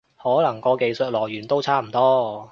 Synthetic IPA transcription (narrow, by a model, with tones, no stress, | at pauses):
hɔː˨˥lɐ˨˩ŋkɔː˧ke˨˧jsɵ˨t̚lɔː˨˩jyː˨˩nt̪o˥wt͡sʰaː˥m̩˨˩t̪ɔː˥